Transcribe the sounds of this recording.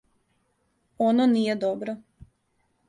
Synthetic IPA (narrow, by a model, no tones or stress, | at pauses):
ononijed̪obɾo